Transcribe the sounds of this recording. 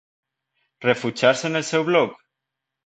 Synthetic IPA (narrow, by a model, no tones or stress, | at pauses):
refut͡ʃaɾsenelsewβlok